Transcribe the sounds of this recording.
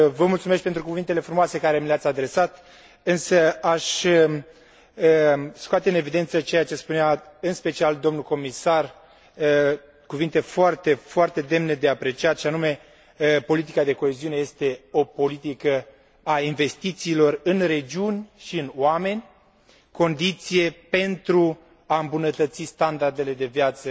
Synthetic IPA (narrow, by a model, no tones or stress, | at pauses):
vəmult̪sume̞ʃt̪̚pe̞nt̪ɾukuvint̪ele̞fɾumoase̞kaɾe̞mileat̪sʲad̪ɾe̞sat̪ | ɨnsəaʃə | əskoat̪eɨne̞vid̪e̞nt̪sət͡ʃe̞jat͡ʃe̞spuneaɨnspe̞t͡ʃiald̪o̞mnuko̞misar | kuvint̪e̞foart̪e̞foart̪e̞d̪e̞mned̪e̞apɾe̞t͡ʃiat̪ʃianume̞ | po̞lit̪̬ikad̪e̞ko̞e̞ziune̞je̞st̪e̞o̞po̞lit̪ikə | ainve̞st̪it̪siːlo̞rɨnre̞d͡ʒiunʲʃiɨnwame̞nʲ | ko̞nd̪it̪sije̞pe̞nt̪ɾu | aɨmbunət̪ət̪sist̪and̪ard̪e̞le̞d̪e̞vjat̪sə